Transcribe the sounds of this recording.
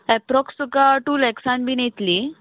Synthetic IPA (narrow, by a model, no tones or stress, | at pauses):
ɛpɾɔksukaʈuːlɛksãnbʱiːnet̪li